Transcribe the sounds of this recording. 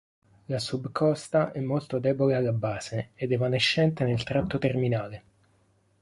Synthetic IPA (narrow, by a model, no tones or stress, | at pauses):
lasubkʰɔst̪aʔɛmːolt̪od̪ɛːbolealːabːaːzeːd̪ɛvaneʃːɛnt̪enelt̪ɾat̪ːot̪erminaːle